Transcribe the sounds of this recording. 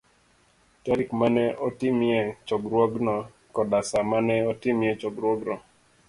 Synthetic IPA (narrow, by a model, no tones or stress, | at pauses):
taɾikmanɛʔɔtɪmjɛt͡ʃɔɡɾwɔɡnɔ | kɔdasamanɛɔtɪmjɛt͡ʃɔɡɾwɔɡnɔ